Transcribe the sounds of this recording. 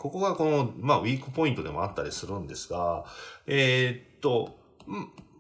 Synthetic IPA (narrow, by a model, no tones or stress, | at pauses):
ko̞ko̞ɡako̞no̞maβʲiːkɯ̟̥po̞ĩnt̪o̞d̪e̞mo̞̰at̪ːaɾʲisɨɾɯ̟̃nd̪e̞sɨ̥ɡaeːtt̪ːo̞ | m